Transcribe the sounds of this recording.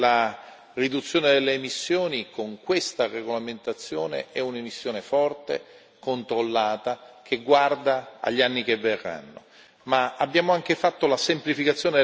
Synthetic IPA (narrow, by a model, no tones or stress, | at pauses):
la | rid̪ut̪sːjoːned̪elːeːmisːjoːnikoŋkwest̪areɡolament̪at̪sːjoːnḛʔɛunemisːjoːnefɔrt̪e | kont̪ɾolːaːt̪ak̟ʰeɡward̪aa̰ʎːianːikevːerːa̰nːo̰ | maabːjaːmoaŋk̟efat̪ːolasemplifikat̪sːjoːne